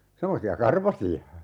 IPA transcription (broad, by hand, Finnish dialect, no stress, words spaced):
semːosiɑ kɑrʋɑsiɑ